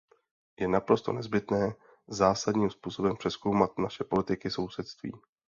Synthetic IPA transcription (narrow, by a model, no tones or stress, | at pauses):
jɛnapɾo̞st̪o̞̰nɛzbɪt̪nɛː | zaːsadɲiːmspuːso̞bɛmpr̥ɛsko̞wmat̪naʃɛpo̞lɪt̪ɪkɪso̞wsɛt̪st̪vḭː